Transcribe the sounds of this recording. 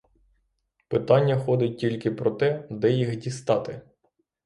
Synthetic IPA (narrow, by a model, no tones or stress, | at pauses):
pɪt̪ɑnʲːɐxɔd̪ɪt̚ʲtʲilʲkɪpɾɔt̪ɛd̪ɛjixdʲist̪ɑt̪ɪ